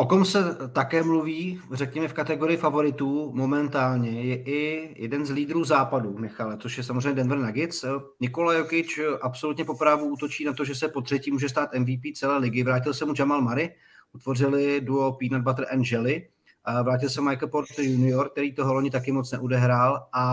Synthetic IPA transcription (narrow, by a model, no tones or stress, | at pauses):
ʔot̪omsɛt̪akɛːmluviːrɛkɲɛmɛfkat̪ɛɡo̞ɾɪjɪfavo̞ɾɪt̪uːmo̞mɛnt̪aːlɲɛjɛʔɪjɛdɛnzliːd̪ɾuːzaːpadumɪxalɛt͡soʃjɛsamozrɛjɲɛdɛnvɛr̩naɡɪt͡snɪkolajokɪt͡ʃʔapso̞lut̪ɲɛpo̞pɾavuʔuːt̪o̞t͡ʃiːnat̪o̞ʒɛsɛpo̞t̪r̥ɛciːmuːʒɛs̬t̪aːt̪ɛnviːpiːt͡sɛlɛːlɪɡɪvɾaːc̬ɪlsɛmud͡ʒamalmaɾɪ | ʔut̪vo̞rɪlɪduopiːnad̚bat̪r̩ʔɛnʒɛlɪ | vɾaːc̬ɪlsɛmajkl̩poɾt̪junɪoɾk̚t̪ɛɾiːt̪oɦoloɲɪt̪akɪmot͡snɛʔodɛɦɾaːlʔa